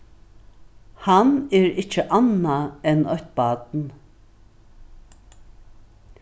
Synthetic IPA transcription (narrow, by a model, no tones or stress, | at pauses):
hanɛɾɪt͡ʃːəʔanaɛnœht̪̚bɑːd̪n